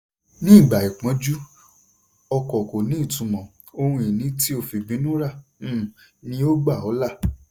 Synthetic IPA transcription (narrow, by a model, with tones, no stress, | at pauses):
nĩ˦˨ɡ͡ba˨i˨k͡pɔ̃˨˦d͡ʒu˦ | ɔ˧kɔ˨ko˨nĩ˨˦i˦˨tũ˨˧mɔ̃˨ | o˧hũ˧i˨nĩ˨˦ti˦o˧fi˧bĩ˨˦nũ˦ɾã˦˨˦ | nĩ˧˦o˦ɡ͡ba˦˨ɔ˨˦la˦˨